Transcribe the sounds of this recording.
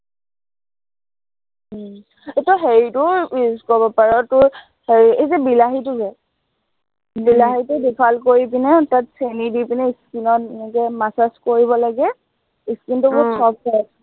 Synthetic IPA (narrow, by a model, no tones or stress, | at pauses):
etuɦeɹitʊkɔbɔpaɹɔtʊɹ | heɹiezɛbilaɦitʊzɛ | bilaɦitʊdipʰalkoɹipinɛtatsenidipinɛiskinɔtɛnɛkɛmasaskoɹiβɔlaɡɛ | iskintʊbʊsɔp̚ːɔ